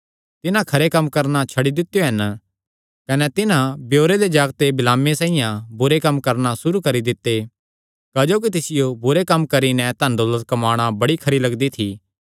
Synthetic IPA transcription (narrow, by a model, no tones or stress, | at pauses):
t̪ɪnãkʰɐɾekɐmːkɐɾnat͡ʃʰɐɽid̪ɪt̪ːjoɦɐn | kɐnɛt̪ɪnãbjoːɾed̪ed͡ʒaːɡt̪ebɪlaːmesaːijãbʊɾekɐmkɐɾnasʊɾukɐɾid̪ɪt̪ːe | kaːd͡ʒoːk̬it̪̬ɪsɪjobʊɾekɐmkɐɾinɛ̃t̪ɐ̃nd̪ɔːlət̪̚kɐmaːɽ̃abɐɽikʰɐɾilɐɡd̪it̪ʰi